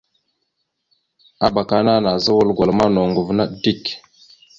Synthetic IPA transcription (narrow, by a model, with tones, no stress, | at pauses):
a˦ba˨ka˨˦na˦na˨zə˦wə˦lɡʷa˨lma˦no˨ŋɡu˨vna˦ɗdi˦˨k